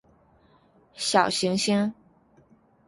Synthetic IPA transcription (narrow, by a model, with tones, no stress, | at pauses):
ɕjɑ˨˩ʊɕi˧˥ŋɕi˥ŋ